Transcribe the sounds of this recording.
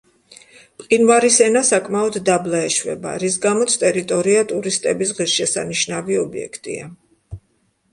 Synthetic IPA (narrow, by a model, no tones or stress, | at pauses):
pʼqʼinvaɾisɛnasakʼmaɔd̪d̪ablˠaɛʃvɛ̰ba̰ɾisɡamɔt̪sʰt̪ʼɛɾit̪ʼɔɾiat̪ʼuɾist̪ʼɛbisʁisʃɛsa̰niʃnaviɔbiɛ̰kʰt̪ʼḭa